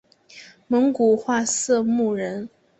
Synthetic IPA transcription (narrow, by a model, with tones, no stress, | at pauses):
mə˧˥ŋku˨˩xwa˥˧sɤ˥˧mu˥˩ɻə˧˥n